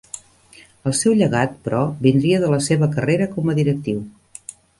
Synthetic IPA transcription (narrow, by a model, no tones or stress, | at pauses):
əlˠsɛwʎəɣat̪̚pɾɔbind̪ɾiəðələseβəkəreɾəkɔməðiɾək̚t̪iw